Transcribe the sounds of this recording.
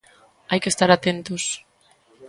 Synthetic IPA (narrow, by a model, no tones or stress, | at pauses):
ajkest̪aɾat̪ent̪os